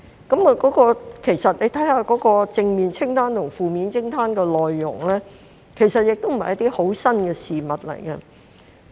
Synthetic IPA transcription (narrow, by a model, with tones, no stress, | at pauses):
kɐ˨˥mɔ˨˧kɔː˨˥kɔː˧kʰe˨˩jsɐ˨t̚le˨˧jt̪ʰɐ˨˥jhaː˧kɔː˨˥kɔː˧t͡sɪ˧ŋmiː˨nt͡sʰɪ˥ŋt̪ʰaː˥nt̪ʰʊ˨˩ŋfuː˨miː˨˧nt͡sʰɪ˥ŋt̪ʰaː˥nkɛː˧lɔː˨jːʊ̰˨˩ŋlɛː˥ | kʰe˨˩jsɐ˨t̚jɪ˨k̚t̪o˥wm̩˨˩hɐ˨jɐ˥t̪iː˥ho˨˥wsɐ˥nkɛː˧siː˨mɐ˨t̚lɐ̰˨˩jkɐ˧